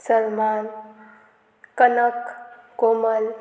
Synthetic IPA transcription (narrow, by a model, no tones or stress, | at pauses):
səɾman | kənəkkoməl